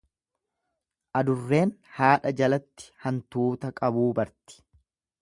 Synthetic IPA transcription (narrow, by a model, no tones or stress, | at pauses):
ʔɐd̪ʊrːe̞ːnhaːᶑɐd͡ʒɐlɐt̪ːɪ̥hɐnt̪uːt̪ɐkʼɐbuːbɐɾt̪ɪ̥